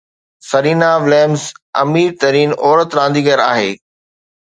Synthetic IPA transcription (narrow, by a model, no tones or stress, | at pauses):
sɐɾiːnaʋɪleːmzɐ̰miːɾt̪ɐɾiːnɔːɾət̪ɾãːnd̪iːɡəɾa̰ːɦeː